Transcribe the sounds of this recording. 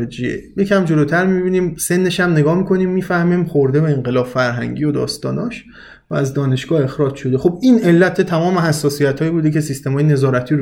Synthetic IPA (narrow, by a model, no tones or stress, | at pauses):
ed͡ʒiḛje̞cʰæmd͡ʒo̞lot̪ʰæɾmibiniːmse̞nːe̞ʃæmne̞ɡɒːmikʰo̞niːmːiːfæhmimxoɾd̪ebeeŋɢe̞lɒːbfæɾɦæ̰ŋɟiːod̪ɒ̰ːst̪ɒːnɒːʃ | vææzd̪ɒːne̞ʃɡ̥ɒːhe̞xɾɒːd͡ʒʃod̪e̞xo̞b̚iːne̞lːæt̪ʰet̪ʰæmɒːmeɦæsːɒːsijæt̪hɒːjibuːd̪ecʲe̞sist̪e̞mɒːjene̞zɒːɾæt̪ʰiːɾ